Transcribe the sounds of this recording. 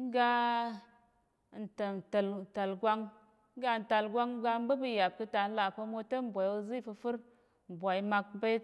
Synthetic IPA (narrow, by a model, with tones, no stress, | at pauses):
ŋ̩˦ɡa˦˨ | n̩˨ta˨n˨tə˨ln̩˨ta˨lɡʷa˦ŋ | ŋ̩˦ɡa˧˨n̩˨ta˨lɡʷa˦ŋ˦ɡa˧m̩˦bə˦bɨ˧ja˨b̚kɨ˧ta˨n̩˦la˨pə˧mo˧tə˦m˨bʷa˨jwu˧˦zi˦˨fɨ˧fɨ˦ɾ | m̩˨bʷa˨i˦ma˧k̚be˦t̚